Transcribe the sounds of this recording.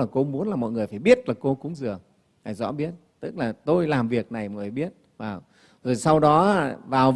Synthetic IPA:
aː˨˩ko˧˦ŋ͡mmu˨˦nlaː˨˩mɔ̰˧˨jŋɨ˨˩əjfaː˧˩jɓi˦˥ət̚laː˨˩ko˧kʊ̰˧˥ŋ͡mzɨ˨˩ə | haː˨˩jzɔ̰˧˥ɓi˦˥ət̚t̪ɨ˦˥k̚laː˨˩t̪o˧jlaː˨˩mvi˨˩ək̚na˨˩jma˨˩faː˧˩jɓi˦˥ət̚ | vaː˨˩w | zo˨˩jsa˧wɗɔ˨˦˧vaː˨˩w

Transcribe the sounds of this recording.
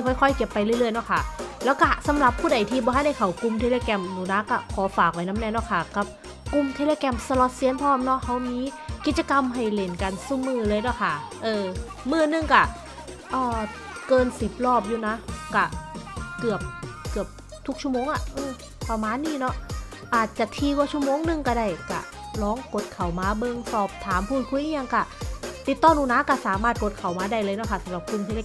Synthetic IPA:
kʰɔ˧˩jkʰɔ˧˩jke˨˩pːa˧jlɯ˥˩˨ɾɯ˥˩əjnɔ˦˧˥kʰa˥˩lɛː˦˥wka˥˩sa˨˦mla˨˩˦pʰːuː˥˩da˨˩jt̪ʰiː˧bɔ˧ɦa˥˩jna˧jkʰa˨˩wku˧mt̪ʰeː˧leː˧kɛ˧mnuː˨˩˦na˦˧˥ka˧˩kʰɔː˨˦faː˨˩k̚wa˧˥jna˦˥mnɛː˧nɔ˧˥˩kʰa˧˥˩ka˨˩p̚ | ku˧mt̪ʰe˧leː˧kɛː˧msa˧lɔ˧˥t̪̚si˧˥ə˨nt̪ʰɔː˥˩mp̚nɔ˦˥ha˧˥˩wmiː˧ki˨˩t̪̚t͡ɕa˧ka˧mɦa˧˨˩jle˨˩nka˧nsuː˧˩mɯː˧˩lɤː˧jnɔ˦˥˩kʰa˥˩ʔɤː˧ | mɯː˧˩nɯ˧˩ŋka˧˩ | ʔɔː˧˩ | kɤː˧nsi˨˩p̚lɔː˥˩p̚juː˧˩na˦˥ka˧˩kɯ˨˩əp̚kɯ˨˩əp̚ | t̪ʰu˦˥k̚t͡ɕʰu˥˩ə˨moː˧˨ŋʔa˧˨˩ʔɯː˧˩ | pa˧˩maː˧˥˨nːiː˥˩˨nɔ˦˥ʔ | ʔaː˨˩t̪̚t͡ɕa˨˩t̪ʰiː˧waː˧˩t͡ɕʰu˥˩ə˨moː˧˨ŋnɯ˧ŋka˧˩daː˧˩jka̰˧˩ | lɔː˦˥ŋko˨˧˥t̪̚kʰa˨˩wmaː˧bɤ˧ŋsɔː˨˩p̚t̪ʰaː˨˦mpʰuː˧˩t̪̚kʰu˧˨jʔi˧˥˩ja˧ŋka˧˩t̪i˨˩t̪ːɔː˧˥˩ŋnuː˧˨naː˧˥kaː˧˩saː˨˦maː˧˩t̪̚ko˨˦t̪̚kʰa˨˩wmaː˧˦da˥˩jlɤː˧jnɔ˧˥˩kʰa˧˥˩sa˨˦ɾa˨˧˦p̚kʰu˧˩nt̪ʰi˧˨a˧˩

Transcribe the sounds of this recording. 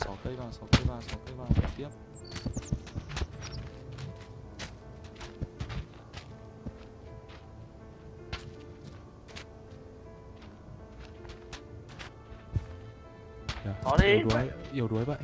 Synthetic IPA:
sɔ˨˦kə˧jvaː˨˩wsɔ˨˦kə˧jvaː˨˩wsɔ˨˦kə˧jvaː˨˩wfa̰˨˩t̪i˦˥əp̚ | jaː˨˩ɔ˨˦e˧˨˩u˨˦jʔi˨˩əwɗu˨˦əjɓa̰ː˧˨

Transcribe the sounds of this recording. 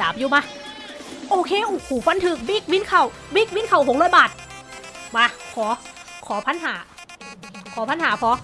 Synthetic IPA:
aː˨˦p̚juː˧maː˧˥ | ʔoː˧kʰeː˧˨ʔoː˧˩kʰuː˨˩fa˧˥˨nt̪ʰɯ˧k̚biː˦˥˩k̚wi˧˥nkʰa˧˩w | biː˦˥˩k̚wiː˧˦˥nkʰa˧˩who˨˦ŋlɔː˧˥˨jbaː˨˩t̪̚ | baː˧kʰɔː˩˦ | kʰɔː˨˦pʰa˧˥nɦaː˩˦ | kʰɔː˨˦pʰa˧˥nhaː˨˩˦pʰɔː˧˦

